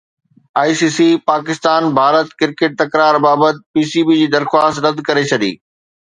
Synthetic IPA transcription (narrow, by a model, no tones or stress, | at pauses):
aːisiːsipaːkɪst̪aːnbʱaːɾət̪kɪɾkeʈ̚t̪ɐkɾaːɾbaːbət̪̚piːsiːbid͡ʑiːd̪ɐɾxwaːst̪ɾɐd̪ʱkɐɾet͡ɕʰɐɗḭː